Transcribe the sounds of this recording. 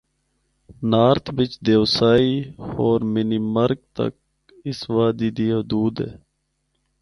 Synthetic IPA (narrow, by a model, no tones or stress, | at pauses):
naːɾt̪ʰbɪt͡ʃd̪eːʋsaːiːoːɾmɪniːməɾɡ̚t̪ə̰k̚ | ɪsʋaːd̪iːd̪iːɦʊd̪uːd̪ɦɛ̰ː